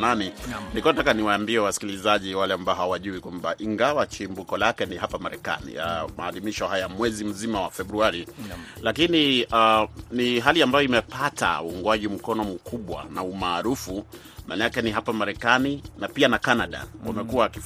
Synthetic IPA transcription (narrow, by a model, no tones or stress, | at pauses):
naninikuɔnatakaniwaːmbiɛwasi̥kilizaʄiwalɛambaɔɦawaʄuikwambaʔiŋɡawat͡ʃimbukɔlakɛniɦapamaɾɛka̰nḭama̰ːlimiʃɔhajamwɛzim̩zimawafɛbɾuaɾilakinianiɦaliambajɔimɛpata̰uuŋɡwaʄim̩kɔnɔmukuɓwa̰naumaːɾufu | malakɛniɦapamaɾɛkaninapianakanaɗa̰wʔa̰mɛkuaːkif